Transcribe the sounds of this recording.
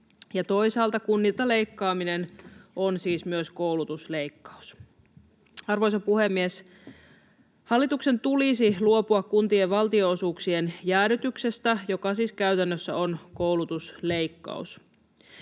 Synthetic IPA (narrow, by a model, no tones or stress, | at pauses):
jɑt̪o̞isɑːlt̪ɑkunːiːt̪ɑle̞ikːɑːminenʔonsiːsmyøsko̞wlut̪usle̞ikːɑ̥u̥s | ɑrʋo̞jsɑpuhe̞mːies | hɑlːit̪ukse̞nt̪ulisiluo̞puɑkkunt̪ieʋʋɑlt̪ioosuːksienjæːɾyt̪ykse̞st̪æjo̞kɑsiːskæyt̪ænːøsːæo̞nkowlut̪usle̞ikːɑ̰ṵs